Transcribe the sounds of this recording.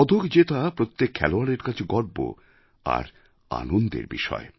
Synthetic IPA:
ɔd̪ʱokd͡ʑet̪apɾot̪ːekʰːɛ̰loaɽeɾkat͡ɕʰeɡɔɾbo̰ | a̰ɾ | a̰nond̪ḛɾbiʃɔ̰e

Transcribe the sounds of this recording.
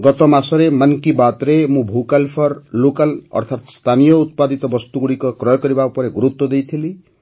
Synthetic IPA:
ɡɔt̪ɔmasɔɾemankibat̪ɾemũbʱukalpʰɔɾlokalʌ̰ɾt̪ʰat̪st̪ʰanijɔut̪̚pad̪it̪ɔbɔst̪uɡuɽikɔkɾɔjkɔɾibapɔɾeɡuɾut̪wɔd̪ejt̪ʰili

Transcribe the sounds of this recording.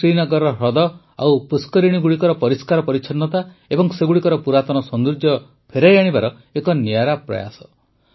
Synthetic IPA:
ɾinɔɡɔɾɔɾɔd̪ɔ | a̰wpuskɔɾiɽ̃iɡuɽikɔɾɔpɔɾiskaɾɔpɔɾit͡ʃʰɔnːɔt̪a | ebɔŋseɡuɽikɔɾɔpuɾat̪ɔnɔsɔnd̪ɾud͡ʒjɔ | pʰeɾajaɽ̃ibaɾɔ | ekɔniaɾapɾɔ̰ja̰sɔ̥

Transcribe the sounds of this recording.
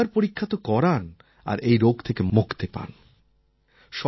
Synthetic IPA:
aɾpoɾikʰːat̪okɔɾan | a̰ɾʔejɾoɡt̪ʰekemokt̪epa̰n | ʃɔ

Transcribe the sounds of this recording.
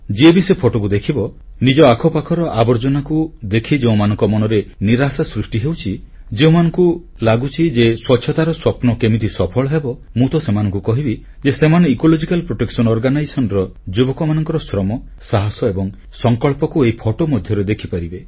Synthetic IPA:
d͡ʒiebisepʰoʈokud̪ekʰibɔ | nid͡ʒɔakʰɔpakʰɔɾɔʔabɔɾd͡ʒɔnakud̪ekʰid͡ʒeũmanɔŋkɔmɔnɔɾeniɾasasɾusʈiɦewt͡ʃʰi | d͡ʒeũmanɔŋku | laɡut͡ʃʰid͡ʒeswɔtːʃʰɔt̪aɾɔswɔpnɔkemit̪isɔpʰɔɭɔɦebɔ | mut̪ɔsemanɔŋkukɔɦibi | d͡ʒesemaneikolod͡ʒikalpɾoʈeksɔnɔɾɡanajsɔnɾɔd͡ʒubɔkɔmanɔŋkɔɾɔsɾɔmɔ | saɦɔsɔebɔŋ | sɔŋkɔɭpɔkueipʰoʈomɔd̪ʱjɔɾed̪ekʰipaɾibe

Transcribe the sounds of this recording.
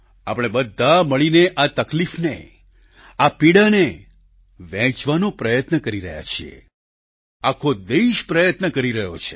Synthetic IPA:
a̰pəɽ̃ebəd̪ʱːaməɭineʔat̪əklifnḛ | apiɽane | ʋɛ̃t͡ʃʋanopɾəjət̪nəkəɾiɾəɦja̰t͡ʃʰiḛ | akʰod̪eʃpɾəjət̪nəkəɾiɾəɦjo̰t͡ʃʰe̥

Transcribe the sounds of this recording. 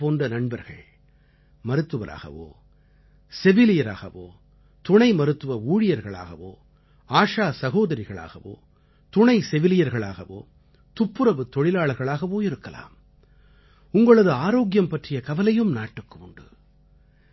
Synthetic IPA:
poːndrɐnɐɳbɐɾɣɐɭ | mɐɾɯt̪ːɯʋɐɾʔa̰ːɣɐ̰ʋo̰ː | sɛʋɪlɪjɐɾa̰ːɣɐʋo̰ː | t̪ʊɳɐɪmɐɾɯt̪ːɯʋɐuːɻɪjɐɾɣɐɭa̰ːɣɐ̰ʋo̰ː | aːʂaːsɐɣoːðɐɾɪɣɐɭa̰ːɣɐ̰ʋo̰ː | t̪ʊɳɐɪsɛʋɪlɪjɐɾɣɐɭa̰ːɣɐʋo̰ː | t̪ʊpːɯɾɐʋɯt̪ɔɻɪlaːɭɐɾɣɐɭaːɣɐʋoːɪɾɯkːɐla̰ːm | ʊŋɡɐɭɐðɯaːɾoːɣjɐmpɐʈrɪjɐkɐʋɐlɐjɯmnaːʈːɯkːɯʊɳɖɯ

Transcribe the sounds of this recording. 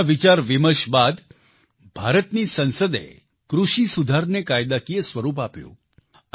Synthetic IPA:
ʋit͡ʃaɾʋɪməɾʃbad̪ | bʱaɾət̪nisə̃nsəd̪ḛ | kɾuʃisud̪ʱaɾnekajd̪akijəsʋəɾup̬apjṵ̃

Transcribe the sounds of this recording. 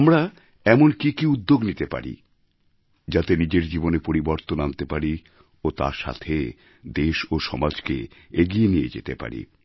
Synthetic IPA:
amɾa | ɛmonkikiud̪ːoɡnit̪epa̰ɾḭ | d͡ʑat̪enid͡ʑeɾd͡ʑibonepoɾiboɾt̪onant̪epaɾi | ot̪a̰ɾʃa̰t̪ʰe | d̪eʃoʃɔmad͡ʑkeeɡienijḛd͡ʑḛt̪epa̰ɾḭ

